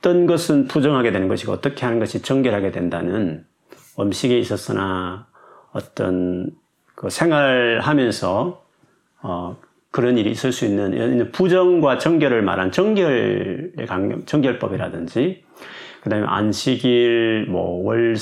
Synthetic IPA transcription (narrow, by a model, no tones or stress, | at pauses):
t͈ʌnɡʌsʰɯnpud͡ʑʌŋɦaɡe̞dwe̞nɯnɡʌɕʰiɡaʌ̰t͈ʌkʰe̞ɦanɯnɡʌɕʰit͡ɕʌŋɡjʌɭɦaɡe̞dwe̞ndanɯn | ʌmɕʰiɡe̞is͈ʌs͈ɯna | ʌt͈ʌ̰n | kɯsʰe̞ŋwaɭɦamjʌnsʰʌ | kɯɾʌniɾḭːs͈ɯɭs͈uinːɯn̰inːɯnpud͡ʑʌŋɡwat͡ɕʌŋɡjʌɾɯɭma̰ɾɦannt͡ɕʌŋɡjʌɭḛkaŋ̰t͡ɕʌŋɡjʌɭp͈ʌbiɾadɯnd͡ʑi | kɯdaɦɯmjʌ̰na̰nɕʰiɡiɾmwʌ̰wʌɭ